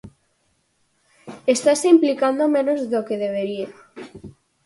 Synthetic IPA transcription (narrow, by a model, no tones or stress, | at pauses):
est̪aseimplikand̪omẽnozðokeðeβ̞eɾia